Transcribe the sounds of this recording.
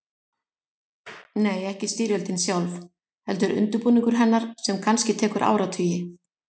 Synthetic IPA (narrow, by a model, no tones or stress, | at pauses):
neːjɛhcɪst̪iːɾjœlt̪ɪnsjawlf | hɛl̪t̪ʏɾʏ̰nt̪ʏɾpuːniŋkʏɾ̥ɦɛnːaɾ̥sɛmkʰanscɪt̪ʰɛːkʏɾʔa̰ːwɾat̪ʰʏːjɪ